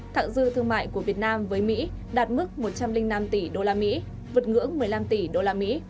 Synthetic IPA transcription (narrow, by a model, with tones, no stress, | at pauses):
t̪ʰa̰ː˧˨ŋzɨ̰˧˨t̪ʰɨ˧əŋma̰ː˧˨jku˧˩əvi˨˩ət̚naː˧mvəː˨˦jmḭ˧˥ɗaː˨˩t̚mɨ˦˥k̚mo˨˩t̚t͡ɕa˧mlï˧ŋ̟na˧mt̪i˧˩ɗo˧laː˧mḭ˧˥ | vɨ˨˩t̚ŋɨ̰˧˥əŋmɨ˨˩əjla˧mt̪i˧˩ɗo˧laː˧mḭ˧˥